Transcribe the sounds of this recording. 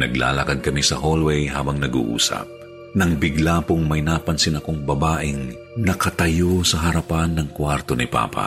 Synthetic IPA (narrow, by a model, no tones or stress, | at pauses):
nɐ̰ɡla̰ːlɐkad̪̚kɐmisɐɦolwɛjɦaːbɐŋnɐɡṵʔṵːsɐ̰p̚ | nɐŋbɪɡlapʊŋmɐjnaːpɐnsɪnɐkoŋbɐbaːʔɪŋ | nɐkɐt̪ɐjosɐɦɐɾɐpanːɐŋkwaɾt̪o̞nɪpa̰ːpʰa̰